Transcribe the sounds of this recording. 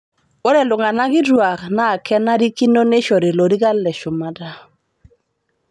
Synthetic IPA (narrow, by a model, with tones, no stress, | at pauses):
o˦ɾɛ˨lʊ˨ŋa˨na˦ɡɪ˦dwa˨knaː˦˨kɛ˦na˦di˦ki˦no˦ne˦ʃɔ˨ɾɪ˨lo˨di˦ɡa˦lɛ˨ʃʊ˨ma˨da˦˨